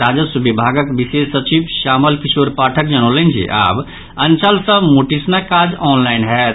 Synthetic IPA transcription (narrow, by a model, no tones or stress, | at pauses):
ɾaːd͡ʒəsubibʱaːɡəkbisesət͡ʃibʃaːməlkisoːɾpaːʈʰəkd͡ʒənolẽnd͡ʒʰḭʔa̰ːb | ənt͡ʃəlsəbmoʈisnakaːd͡ʒɔːnlaːɪnɦɛː